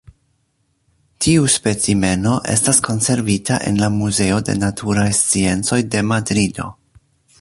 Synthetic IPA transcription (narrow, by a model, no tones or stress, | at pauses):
tʰiuspe̞t͡sime̞no̞ʔe̞̰stasko̞nse̞ɾvitʰaʔe̞̰nlamuze̞o̞de̞̰natʰuɾajst͡sie̞nt͡so̞jde̞madɾido̞̰